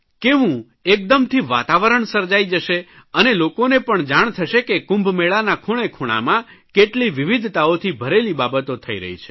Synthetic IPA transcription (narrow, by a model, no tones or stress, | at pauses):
keʋũ | ek̚d̪əmt̪ʰiʋa̰t̪aʋəɾəɳsəɾd͡ʒajd͡ʒəʃe | ənelokonepəɳd͡ʒaɳ̃t̪ʰəʃekekũmbʱmeɭanakʰuɽ̃ekʰuɽ̃a̰mãkeʈliʋiʋid̪ʱt̪aot̪ʰibʱəɾelibabət̪ot̪ʰəiɾə̰ɦḭt͡ʃʰe̥